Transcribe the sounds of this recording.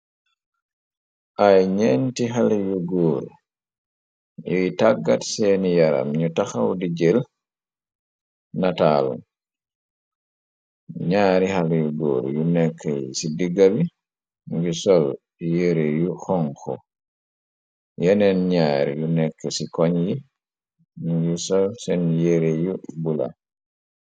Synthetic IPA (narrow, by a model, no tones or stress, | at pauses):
ʔajɲentiɦalɛjuɡoːɾḭ | ʔijtaɡːatsɛːnijaɾa̰mɲutaxawdid͡ʒɛl | nataːlṵm | ɲaːɾihalɛjuɡo̰ːɾṵjunɛkʰːɛsidiɡabi | ŋɡisɔl | jeɾejuxɔŋkɔ̰ | jɛnɛnɲaːɾḭjunɛkːɛsikɔɲji | ŋɡisɔlsɛnjeɾejubula̰